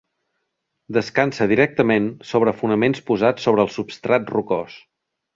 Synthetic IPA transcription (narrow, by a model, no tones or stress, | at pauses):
d̪əskansəð̞iɾɛk̚t̪əmensoβ̞ɾəfunəmenspuzat͡sːoβ̞ɾəːlˠsupst̪ɾat̪rukɔs